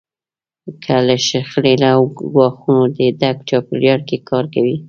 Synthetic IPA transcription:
kʰaləʃaxlelawɡwɑxunod̪əd̪aɡ̚t͡ʃɑpəljaɽkekʰɑɾkawi

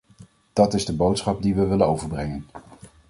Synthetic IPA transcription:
d̥ɑtɪzdəbowtsχɑp̚diʋəʋɪlənowvəɹbrɛŋən

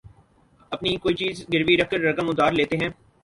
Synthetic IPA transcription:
ɐpnikoːit͡ʃiːzɡɪɾʋiɾɐkkəɾːɐkə̃mʊd̪aːɾleːt̪eɦɛ̃ː

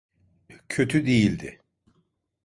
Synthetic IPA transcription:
cʰøt̪ʰyd̪ejilʲd̪ɪ̰

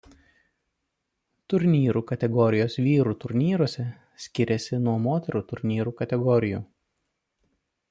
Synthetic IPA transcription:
t̪ʊɾʲnʲiːɾuːkɐt̪ʲɛɡɔɾʲɪjoːsʋʲiːɾuːt̪ʊɾʲnʲiːɾuɔsʲɛ | sʲkʲɪɾʲɛsʲɪnuɔmoːt̪ʲɛɾuːt̪ʊɾʲnʲiːɾuːkɐt̪ʲɛɡɔɾʲɪjuː

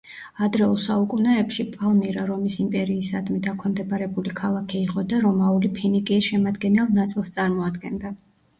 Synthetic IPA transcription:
ad̪ɾɛulˠsaukʼunɛɛpʃipʼalˠmiɾaɾɔmisimpʼɛɾiːsad̪mid̪akʰɛmd̪ɛbaɾɛbulikʰalˠakʰɛiqʼɔd̪aɾɔmaulipʰinikʼiʃɛmad̪ɡɛnɛlˠnat̪sʼilˠst̪sʼaɾmɔad̪ɡɛnd̪a

